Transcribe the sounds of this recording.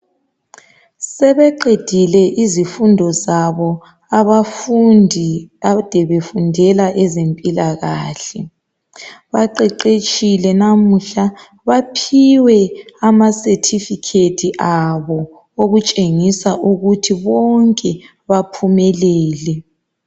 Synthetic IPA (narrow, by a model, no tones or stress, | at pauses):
sɛβɛǃed̥ʱilɛʔizifundʱɔzaβɔ | aβafndʱiad̥ʱɛβefundʱɛlaʔɛzempʼilaɣaːɬɛ | βaǃɛǃet͡ʃʼilɛnam̩ɬa | βapʰiwɛamasɛtʰifikʰetʰiʔaβɔ | oɣut͡ʃʼeŋisaʔuɣutʰiβɔŋkʼɛ | βapʰumɛlɛːlɛ